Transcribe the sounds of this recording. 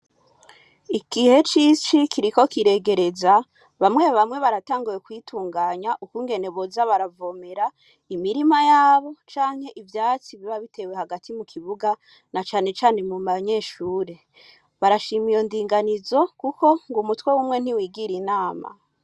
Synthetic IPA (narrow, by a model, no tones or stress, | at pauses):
ikihe̞t͡ʃit͡ʃikʰiɾiko̞kiɾe̞ɡe̞ɾe̞za | βamŋe̞βamŋe̞βaɾataːŋɡujekwiːtʰuːŋɡaːɲaʔukuːŋɡe̞ne̞βozaβaɾavo̞me̞ɾa | imiɾimajaːβo̞t͡ʃaːŋ̥he̞ʔivjaːt͡siβiβaβitʰe̞we̞haɡatʰimukʰiβuɡa | nat͡ʃaːne̞t͡ʃaːne̞mumaɲe̞ːʃuːɾe̞ | βaɾaʃiːmijo̞ndiːŋɡanizo̞kuko̞ŋɡumutwe̞wuːmŋe̞n̥iwiːɡiɾinaːma̰